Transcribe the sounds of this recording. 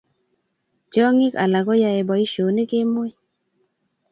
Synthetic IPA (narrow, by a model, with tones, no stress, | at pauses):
t͡ʃɔ˦ŋɪ˦ka̰˨la˨kɔ˦ja˨e˨bɔ˨i˦ʃo˨ne˦ke˦mo˦i˦